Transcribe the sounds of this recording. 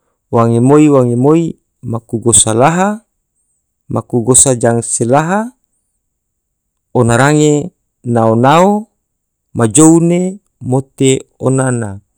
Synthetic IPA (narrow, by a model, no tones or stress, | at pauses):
waŋemoiwaŋemoi | makuɡosalaɦa | makuɡosad͡ʒaŋselaɦa | onaɾaŋe | naonao | mad͡ʒoune | mot̪eonana